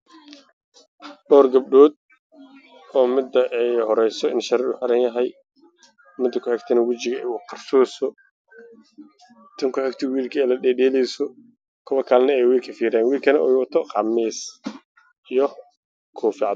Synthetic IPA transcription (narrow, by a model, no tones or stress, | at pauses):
ɖɔːrɡɐb̚ɖɔːd̪̚ | ɔːmɪd̪ɐʔɛjhɔɾɛjsɔɪnʃɐɾɛʊħaɾɐnjɐɦɛj | mɪd̪ːɐkʰʊħɛɡt̪ʰɐnɐwɐt͡ʃɪɣɐɛjwqɑrsɔːsɔ | t̪ʰɐŋkʰʊħɛɡt̪ʰɛwiːlkʰɐɛjlɐɗɛːɖɛːlɛjsɔ | kʰɔwɐkʰaːlnɐɛjwiːlkʰɐfiːɾɛːnwiːlkʰɐnɐʔɔjwɑt̪ʰɔqɑmiːs | ijɔ | kʰɔːfɪʕɑ